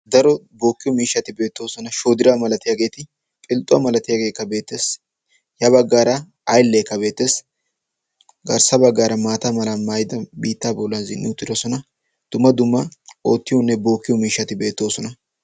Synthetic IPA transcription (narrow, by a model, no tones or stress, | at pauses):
d̪ɐɾɔ | bo̞ːkːɪjɔmiːʃːɐt̪ɪbe̞ːt̪ːo̞ːsɔnɐʃoːd̪ɪɾaːmɐlɐt̪ɪjaːɡe̞ːt̪ɪ | pʼɪlt̪ʼːʊwa̰mɐlɐt̪ɪjaːɡe̞ːkːɐbe̞ːt̪ːe̞ːs | jɐβɐɡːaːɾɐ | ɐjlːekːɐbe̞ːt̪ːe̞ːs | ɡɐɾsɐbɐɡːaːɾɐmaːt̪amɐlamajɪd̪ɐbiːt̪ːaːbɔlːɐnzɪnːɪʊt̪ʼːɪɾɔsɔnɐ | d̪̥ʊmːɐd̪ʊmːɐo̞ːt̪ːɪjɔnːɛbo̞ːkːɪjɔmiːʃːɐt̪ɪbe̞ːt̪ːo̞ːsɔnɐ